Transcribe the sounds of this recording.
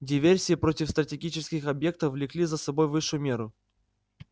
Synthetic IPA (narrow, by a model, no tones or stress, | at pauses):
dʲɪvʲersʲɪjɪpɾotʲɪfst̪ɾətʲɪɡʲit͡ɕɪskʲɪxɐbje̞k̚t̪əfvlʲɪklʲizəsɐbo̞jvɨʂːʊjʊmʲeɾʊ